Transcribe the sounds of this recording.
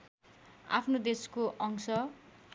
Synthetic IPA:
a̰pʰnod̪eskoʔʌŋsʌ

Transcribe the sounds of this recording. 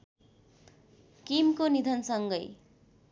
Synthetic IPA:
kimkonid̪ʱʌnsʌŋɡʌj

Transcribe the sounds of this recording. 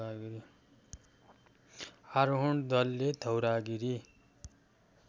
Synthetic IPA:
aɡiɾi | aɾɦuɳd̪ʌlːed̪ʱʌwɾaɡiɾi

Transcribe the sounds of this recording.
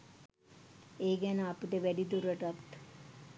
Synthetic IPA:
eːɡænəɐpiʈeʋæɖid̪uɾəʈɐt̪

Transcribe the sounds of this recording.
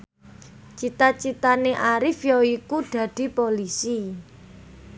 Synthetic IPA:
t͡ʃit̪at͡ʃit̪aneʔaɾɪfjɔikuɖ̪̥ä̤d̥i̤polisi

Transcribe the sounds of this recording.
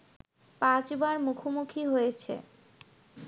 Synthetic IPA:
pãt͡ɕbaɾmukʰomukʰiɦojet͡ɕʰḛ

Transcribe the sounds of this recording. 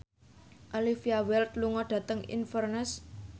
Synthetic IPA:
ʔalifiawɛlt̪luŋɔɖ̥ä̤t̪əŋḭnfərnəs

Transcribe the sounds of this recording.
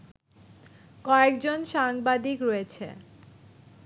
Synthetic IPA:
kɔekd͡ʑonʃaŋbad̪ikɾoet͡ɕʰḛ

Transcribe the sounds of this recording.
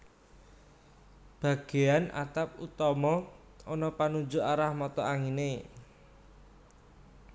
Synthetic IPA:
b̥ä̤ɡ̥e̤anʔa̰t̪ap̚ut̪ɔmɔ | ɔnɔpanu̥d͡ʒuaɾahmɔt̪ɔaŋine

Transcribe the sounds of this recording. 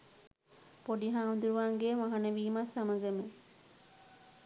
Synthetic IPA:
poɖiɦaːund̪uɾuʋaːŋɡeːmaɦɐnəʋiːmasɐmɐɡəme

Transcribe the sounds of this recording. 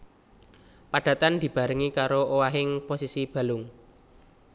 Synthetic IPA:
paɖ̥ä̤t̪and̪̥i̤b̥a̤ɾɪŋikaɾoʔowaɦɪŋposisib̥ä̤lʊŋ

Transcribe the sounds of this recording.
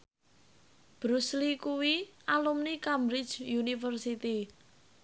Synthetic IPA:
b̥ɾuslikuwiʔalumnikamɾɪ̥d͡ʒjunifərsit̪i

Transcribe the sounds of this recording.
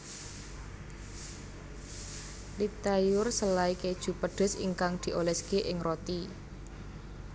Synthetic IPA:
lit̪ajʊrsəlaiked̥ʒ̥ṳpəɖ̪̥ʊ̤sḭŋkaŋd̪̥i̤ʔolɛskeʔɪŋrot̪i

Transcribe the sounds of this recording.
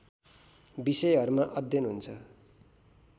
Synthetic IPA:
bisʌjɦʌɾumaʔʌd̪jʌnɦunt͡sʰʌ

